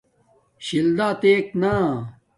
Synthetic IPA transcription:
ɕild̪aːt̪eːkna

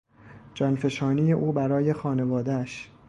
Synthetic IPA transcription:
d͡ʒɒːnfe̞ʃɒːnijeʔuːbæɾɒːje̞xɒːne̞vɒːd̪eæʃ

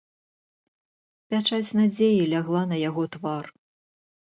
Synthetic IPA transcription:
pʲat͡ʂat͡sʲnad͡zʲejilʲaɣlˠanɐjaɣɔt̪var

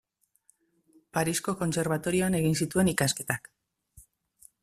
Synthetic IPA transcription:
paɾisko̞ko̞nse̞ɾβ̞at̪o̞ɾio̞ane̞ɣinsit̪ue̞nikaske̞t̪ak

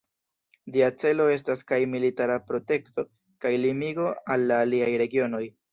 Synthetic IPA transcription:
diat͡se̞lo̞e̞s̬taskajmilitaɾapɾo̞te̞kto̞ | kajlimiɡo̞alːaːliajɾe̞ɡio̞no̞j

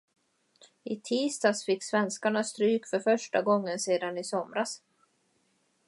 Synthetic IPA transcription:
ɪt̪ʰiːst̪ɑsfɪkːsvɛnskaɳast̪ɾyːkfœɾfœʂʈaɡɔŋːənseːd̪anɪsɔmɾas

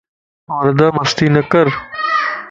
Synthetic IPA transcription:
oːɾd̪aːmɐst̪iːnɐkɐɾ

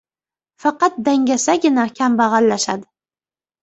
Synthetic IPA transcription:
fɑqɑt̪̚d̪aŋɡʲasaɡʲɪnakʲʰambaʁɑlːaʃad̪ɪ

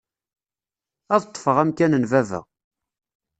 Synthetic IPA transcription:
æðət̪ˤːfəʁæmkænənvævə̰ʁ

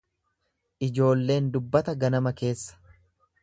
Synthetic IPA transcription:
ʔɪd͡ʒo̞ːlːe̞ːnd̪ʊbːɐt̪ɐɡɐnɐmɐke̞ːsːɐ̥

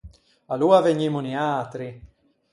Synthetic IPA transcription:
aluaveɲːimuniaːt̪ɾi

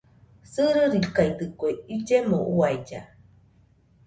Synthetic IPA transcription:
sɨɾɨɾikajt̪ɨkueid͡ʒemoʔuajd͡ʒa̰

